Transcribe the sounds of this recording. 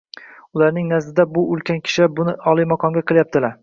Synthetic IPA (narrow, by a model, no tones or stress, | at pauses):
ʊlaɾnɪŋnazd̪ɪd̪abʊʊlˠkʲʰankʲʰɪ̥ʃɪbʊnɪʔɒlˠijmɒqʰɒmɡʲaqʰɨlˠjap̚t̪ʰɪlaɾ